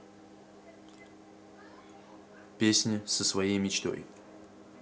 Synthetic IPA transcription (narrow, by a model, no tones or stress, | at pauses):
pʲesʲnʲɪsəsvɐjejmʲɪt͡ɕt̪o̞̰j